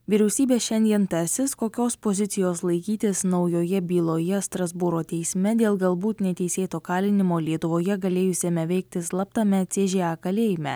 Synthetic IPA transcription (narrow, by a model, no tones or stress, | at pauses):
ʋʲiɾʲɛʊsʲiːbʲeːʃʲɛnʲd̪ʲiɛnt̪ɑsʲɪskoːkʲoːspozʲɪt̪sʲɪjoːslˠɐɪkʲiːt̪ʲɪsnɒʊjoːjɛbʲiːlˠoːjɛst̪ɾɐzbʊɾoːt̪ʲɛɪsʲmʲɛd̪ʲeːlˠɡɐlˠbuːt̪nʲɛt̪ʲɛɪsʲeːt̪oːkɑːlʲɪnʲɪmoːlʲiɛt̪ʊʋoːjɛɡɐlʲeːjʊsʲeːmʲɛʋʲɛɪk̚t̪ʲɪslˠɐpt̪ɐmʲɛt̪sʲeːʒʲeɑkɐlʲeːjɪmʲɛ̰